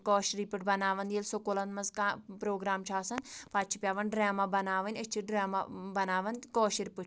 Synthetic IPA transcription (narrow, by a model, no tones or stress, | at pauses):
koːʃɾiːpɨʈ̚bɐnaːʋɐnd̪jelsokolɐnmɐzkaːpɾoːɡɾaːmt͡ʃʰaːsɐnpʰaːt͡ʃʰipʲjaːʋɐnɖɾaːmaːbɐnaːʋɐnʲɐt͡ʃʰiɖɾaːma̰bɐnaːʋɐnkoːʃiɾipɨ